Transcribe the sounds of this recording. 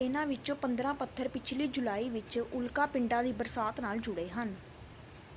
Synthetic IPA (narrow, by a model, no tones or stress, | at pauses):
ɪnãːʋɪt͡ʃõːpənd̪ɾãːpət̪ʰːəɾpɪt͡ʃʰliːd͡ʒʊlaːiːʋɪt͡ʃʊlkãːpɪɳɖãːd̪iːbəɾsaːt̪naːld͡ʒʊɽeːɦən